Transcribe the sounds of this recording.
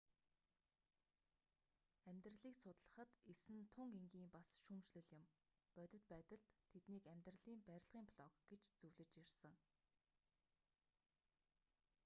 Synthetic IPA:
æmʲt̪rə̆ɮiːksʊt̪ɮə̥̆χə̆t̪esɘ̆nt̪ʰʊŋɡeŋɡiːmpasʃumt͡ɕɮɵ̆ɮɪ̆m | pœt̪ʲɪ̆t̪̚pæːt̪ə̆ɮt̪ʰːet̪niːkæmʲt̪rə̆ɮiːmpæɾʲɪ̆ɮʁiːŋpʰɮɔkɡ̥et͡ɕt͡sɵwɮɘ̆t͡ɕirsə̆ŋ

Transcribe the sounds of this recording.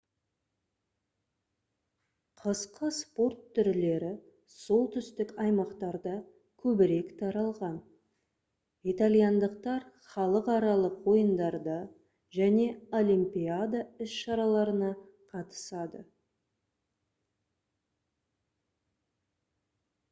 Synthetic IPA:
qʰəsqəspo̞rt̪ʰːʏɾle̞ɾɪ | so̞lˠt̪ʰʏst̪ɪkɑjmɑqt̪ɑɾd̪ə | kʲʰɵbɪɾe̞kt̪ʰɑɾɑlˠʁɑn | it̪alʲijand̪əqt̪ɑɾ | χɑlˠəqɑɾɑlˠəqwo̞jənd̪ɑɾd̪ə | ʒæne̞o̞limpʲijad̪aʏsʃɑɾɑlˠɑɾənɑ | qʰɑt̪ə̥sɑd̪ə

